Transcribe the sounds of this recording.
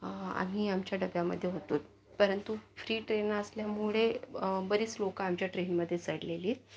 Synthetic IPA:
a̰miamt͡ɕjaɖəɡjamə̰d̪ʱːjeɦot̪uːt̪ | pəɾənt̪ufɾiːʈɾenəsljamuɭebəɾiːt͡slokaːmt͡ɕjaʈɾenməd̪ʱːjet͡səɽleliːt̪̚

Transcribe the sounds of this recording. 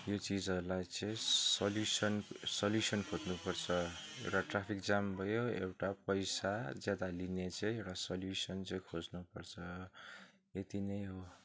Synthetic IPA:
jot͡sid͡zʌɾulajt͡sʌĩsʌljusʌnsʌljusʌnkʰod̪nupʌrt͡sʰʌḛwʈaʈrapʰikd͡zambʱʌjoḛwʈapʌjsad͡zjad̪alinet͡sʌ̃ĩewʈasʌljusʌnt͡sʌĩkʰod͡znupʌrt͡sʰʌ | et̪inʌjɦo

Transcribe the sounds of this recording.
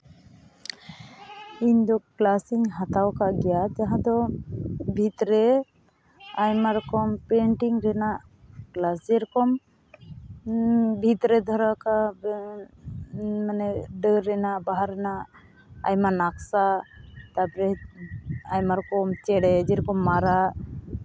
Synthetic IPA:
iɲd̪ɔklasiɲɦat̪awkaɡɛjat̪aɦãd̪ɔ | bʱit̪ɾɛ | ajmaɾɔkɔmpɛɳʈiŋɾɛnaʔ | klasd͡ʒɛɾɔkɔm | bʱit̪ɾɛd̪ʱɔɾaka | manɛɖəɾːɛnaʔbaɦaɾɛnaʔ | a̰jmanaksat̪apɾɛ | ajmaɾɔkɔmt͡ʃɛɽɛd͡ʒɛɾɔkɔmːaɾaʔ

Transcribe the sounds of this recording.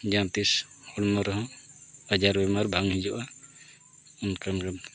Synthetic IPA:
d͡ʒãt̪is | hɔɽmɔɾɔɦɔ̃bad͡ʒaɾbɛmaɾbʱaŋɦid͡ʒɔʔa | unkankan

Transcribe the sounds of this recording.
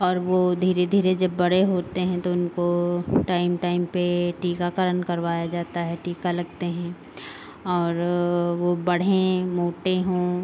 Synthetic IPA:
ɔːɾʋod̪ʱiːɾed̪ʱiːɾed͡ʒɐbːɐɽ̤eɦoːt̪eɦɛ̃t̪oʊnkoʈaːɪmʈaːɪmpeʈiːkakəɾənkɐɾʋaːjad͡ʒaːt̪aɦɛʈiːkalɐɡt̪eɦɛ̃ː | ɔːɾʋobɐɽ̤ẽmoːʈeɦõː

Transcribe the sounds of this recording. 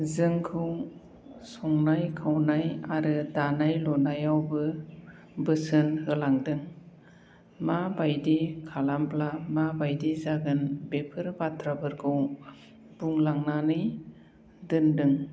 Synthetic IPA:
zɯŋkʰɯw | sɔŋnajkʰawnajaɾɯdanajlɔnajawbɯ | bɯsɯnhɯlaŋdɯŋ | mabajdikʰalamplamabajdizaɡɯnbepʰɯɾbatʰɾabɯɾɡʰɯw | buŋlaŋnanɯj | dɯndɯŋ

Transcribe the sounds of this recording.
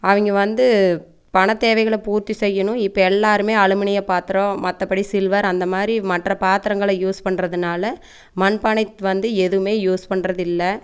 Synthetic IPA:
ɐʋɪŋɡɐʋɐnd̪ɯ | pɐɳɐt̪ːeːʋɐɪɣɐɭɐpuːɾt̪ːisɛjːɐnʊ̃ɪpːɐɛlːaːɾɯmeːɐɭɯmɐnɪjɐpaːt̪ɪɾõmɐt̪ːɐpːɐɽisɪlʋɐɾɐnd̪ɐmaːd̪ɾimɐʈrɐpaːt̪ɪɾɐŋɡɐɭɐjuːspɐɳɾɐðɯnaːlɐ | mɐnpɐɳɐɪt̪ʋɐnd̪ɯɛðɯʋɯmeːjuːspɐɳːrɐðɪlːɐ

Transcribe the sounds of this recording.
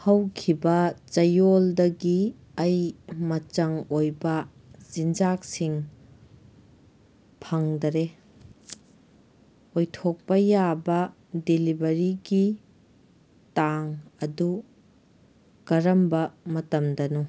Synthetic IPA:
hɐwkʰibɐt͡ʃɐjoldɐɡi | ɐjmɐt͡ʃɐŋojbɐ | z̥ind͡ʒak̚siŋ | pʰɐŋdɐɾe | ojtʰok̚pɐjabɐ | delibɐɾiɡi | taŋɐdu | kɐɾɐmbɐmɐtɐmdɐnu

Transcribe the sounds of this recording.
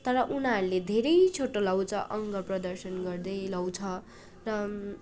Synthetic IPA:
t̪ʌɾʌʔunaːɾuled̪ʱeɾʌjt͡sʰoʈːolawt͡sʰʌʔʌŋɡʌprʌd̪ʌrsʌnɡʌrd̪ʌjlawt͡sʰʌ | rʌ

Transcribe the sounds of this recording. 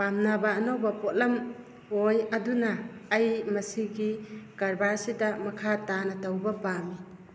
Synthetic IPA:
pamnabaːnowbɐpot̚lɐm | ojɐdunɐːjmɐsiɡikɐɾbaɾsidɐmɐkʰatanɐtɐwbɐpami

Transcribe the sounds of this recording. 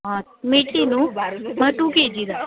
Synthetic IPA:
ɔːt̪meːʈʰiːnũːməʈũːkeːd͡ʒiːd̪a

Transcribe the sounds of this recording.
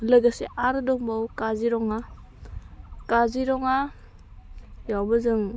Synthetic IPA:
lɯɡaseʔaɾɯdɔŋbawkaziɾɔŋa | kaziɾɔŋa | jawbɯzɯŋ

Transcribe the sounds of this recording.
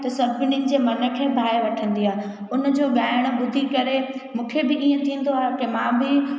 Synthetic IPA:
t̪ɐsɐɾbɪninɪ̆d͡ʑeːmɐnə̆kʰeːbʱaːeʋɐʈʰə̃nd̪iaːɦe | ʊnə̆d͡ʑoːɠaːɪəɽ̃̆ɓʊd̪ʱikɐɾemũːkʰebɪʔĩːə̃t̪ʰĩːn̆d̪oaːɦekemãːbɪ

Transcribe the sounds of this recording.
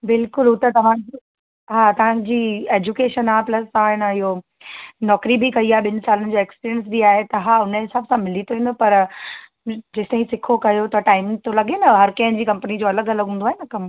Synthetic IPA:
bɪlkʊlut̪ɐt̪ɐʋ̤ãd͡ʑi | ɦaːt̪ɐʋ̤ãːd͡ʑiːeːd͡ʑukeːʃənaːplɐst̪ɐʋ̤ãɦɪnəɪɦo | nɔːkɾibikɐiaːɦeɓɪnsaːlənɪ̆d͡ʑoːekspiːɾiəns̬biaːɦet̪ɐɦaːʊnəesɐbsãmɪlit̪ʰoĩːnd̪opɐɾ | d͡ʑɪsɐ̃ɦĩsɪkʰokɐjot̪ɐʈaːɪmt̪ʰolɐɡenɐɦɐɾkɐ̃ɦɪ̃nd͡ʑiːkɐ̃mpənid͡ʑoːɐləɡɐlɐɡʱɦũnd̪oaːɦenɐkɐm

